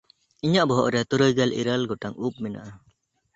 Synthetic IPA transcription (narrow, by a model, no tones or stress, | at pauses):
iɲaʔbɔɦɔ̰ʔɾɛt̪uɾujɡɛlʔḭɾəlɡɔʈaŋup̚mɛna̰ʔa